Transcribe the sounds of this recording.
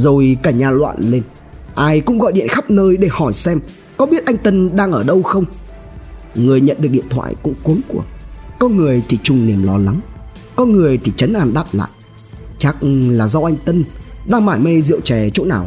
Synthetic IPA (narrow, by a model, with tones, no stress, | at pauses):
zo˨˩jkaː˧˩jɲaː˨˩lwa̰ː˧˨nle˧n | ʔaː˧jkʊ̰˧˥ŋ͡mɣɔ̰˧˨jɗḭ˧˨ənxa˦˥p̚nəː˧jɗe˧˩hɔ˧˩jsɛ˧m | kɔ˨˦ɓi˦˥ət̚ʔa˧jŋt̪ə˧nɗaː˧ŋʔəː˧˩ɗə˧wxə˧wŋ͡m | ŋɨ˨˩əjɲə̰˧˨nɗɨ˨˩ək̚ɗḭ˧˨ənt̪ʰwa̰ː˧˨jkʊ̰˧˥ŋ͡mku˨˦əŋku˧˩əkɔ˨˦ŋɨ˨˩əjt̪ʰi˨˩t͡ɕʊ˨˩ŋ͡mni˨˩əmlɔ˨˦la˨˦ŋ | kɔ˨˦ŋɨ˨˩əjt̪ʰi˨˩t͡ɕə˨˦nʔaː˧˩nɗaː˦˥p̚la̰ː˧˨j | t͡ɕa˦˥k̚laː˨˩zɔ˧ʔa˧jŋ̟t̪ə˧nɗaː˧ŋmaː˧˩jmə˧jzḭ˧˨əwt͡ɕɛ˨˩t͡ɕo̰˧˥na̰ː˧˩w